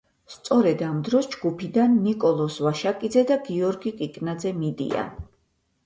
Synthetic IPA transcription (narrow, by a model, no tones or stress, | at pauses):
st̪sʼɔɾɛd̪amd̪ɾɔsd͡ʒɡupʰid̪anːikʼɔlˠɔsvaʃakʼid̪zɛd̪aɡiɔɾɡikʼikʼnad̪zɛmid̪ḭa̰